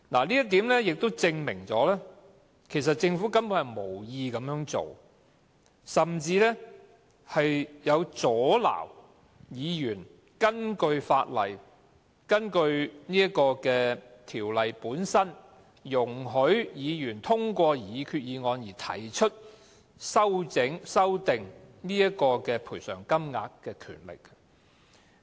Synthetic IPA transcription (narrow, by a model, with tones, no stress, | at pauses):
la̰ː˨˩liː˥jɐ˥t̪iː˨˥mlɛː˥jɪ˨k̚t̪o˥wt͡sɪ˧ŋmɪ̰˨˩ŋt͡sɔ̰ː˨˥lɛː˥ | kʰe˨˩js̬ɐ˨t̚t͡sɪ˧ŋfu˨˥kɐ˥npu˨˥nhɐ˨jmo˨˩wjiː˧kɐ˨˥mjœː˧˥ŋt͡so̰˨w | sɐ˨mt͡siː˧lɛː˥ | hɐ˨jjɐ˨˧wt͡sɔː˨˥la̰ː˨˩w | jiː˨˧jyː˨˩n | kɐ˥nkɵ˧ɥfa̰ː˧t̚lɐ̰˨j | kɐ˥nkɵ˧ɥniː˥ɐ˥kɔː˧kɛː˧t̪ʰiː˨˩wlɐ˨jpuː˨˥nsɐ˥n | jʊ˨˩ŋɦɵ˨˥ɥjiː˨˧jyː˨˩nt̪ʰʊ˥ŋkʷɔː˧jiː˨˧kʰyː˧t̚jiː˨˧ŋɔː˨˧njiː˨˩t̪ʰɐ̰˨˩jt͡ʃʰɵ˥t̚ | sɐ˥wt͡sɪ˨˥ŋsɐ˥wt̪ɪ˨ŋniː˥jɐ˥tkɔː˧kɛː˧pʰuː˨˩jsœː˨˩ŋkɐ˥mŋa̰ː˧kːɛː˧kʰy̰ː˨˩nlɪ̰˨k̚